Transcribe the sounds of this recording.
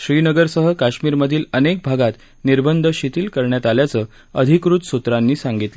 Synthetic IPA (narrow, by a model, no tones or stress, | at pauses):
ɕɾiːnəɡəɾsəɦəkaɕmiːɾməd̪ʱiːlənek̚bʱaɡat̪ | niɾbənd̪ʱəɕit̪iːlkəɾɳjat̪aljat͡səː | əd̪ʱikɾut̪sut̪ɾanːiːsaŋɡit̪lə